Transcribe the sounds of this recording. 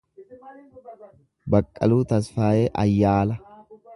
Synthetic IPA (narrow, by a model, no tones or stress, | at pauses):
bɐkʼːɐluːt̪ɐsfaːjeːʔɐjːaːlɐ